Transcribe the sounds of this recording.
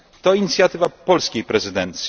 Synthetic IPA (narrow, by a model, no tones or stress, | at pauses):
t̪ɔiɲit̪sʲjat̪ɘvapɔlskʲejpɾɛzɘd̪ɛnt̪sʲ